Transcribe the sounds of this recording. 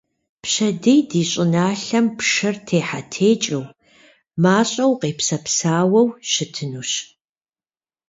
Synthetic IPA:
pɕɐdejdiːɕʼɪnaːɬɐmpʂɐrtʰeːħatʰeːt͡ʃʼɪw | maːɕʼɐwqeːpsɐpsaːwɐwʃɪtʰɨnuːɕ

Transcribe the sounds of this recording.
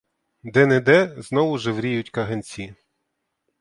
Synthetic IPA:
d̪ɛnɛd̪ɛznɔʋʊʒɛʋɾʲijʊtʲkɐɦenʲt͡sʲi

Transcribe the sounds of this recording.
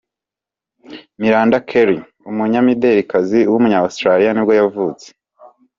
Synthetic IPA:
miɾaːndakʰeɾi | umuɲamideɾikaziwumuɲaostɾaɾijanibɡo̞javuːt͡se̥

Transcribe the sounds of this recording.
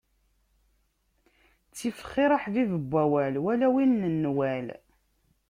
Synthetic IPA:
t͡sːifə̥χːiɾˤəħðiðəbʷːæwælwælæwinːənːwæl

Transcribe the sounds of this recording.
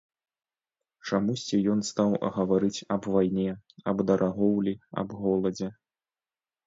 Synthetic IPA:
t͡ʂamusʲt͡sʲijɔnst̪awɣɐvaɾɨt͡sʲɐbvajnʲɛɐbd̪ɐɾʔaɣɔwlʲiɐ̰bɣɔlˠɐd͡zʲɛ

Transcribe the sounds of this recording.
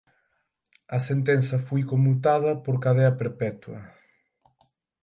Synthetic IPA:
ɐsent̪ɛnθɐfojkomut̪að̞ɐpoɾkaðɛɐpeɾpɛt̪wɐ̰

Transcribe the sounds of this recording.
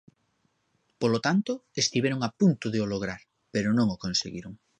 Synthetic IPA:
polot̪ant̪ʊest̪iβeɾʊŋapunt̪ʊðeoloɣ̞ɾaɾ | peɾʊnõŋokõnsḛɣiɾʊŋ

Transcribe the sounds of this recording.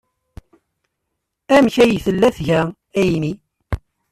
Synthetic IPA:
æmçæjθəlːæθʝæ | æjni

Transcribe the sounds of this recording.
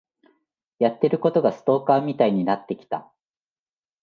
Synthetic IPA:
jat̪ːe̞ɾɯ̟ko̞t̪o̞ɡasɨ̥t̪o̞ːkaːmʲit̪aiɲ̟inat̪ːe̞kʲi̥t̪a̰

